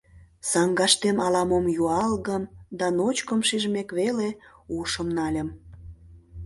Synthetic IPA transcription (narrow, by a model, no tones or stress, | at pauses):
sɑŋɡɑʃt̪emɑlɑmomjuɑlɣəmd̪ɑnot͡ɕkəmʃiʒmekβeleuʃəmnɑlʲə̆m